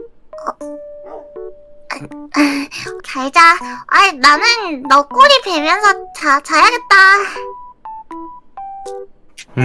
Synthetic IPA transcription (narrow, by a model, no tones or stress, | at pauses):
kʌ | kʰaid͡ʑaajnanɯnːɔk͈uɾipemjʌnsʰʌt͡ɕat͡ɕajaɡet̚t͈a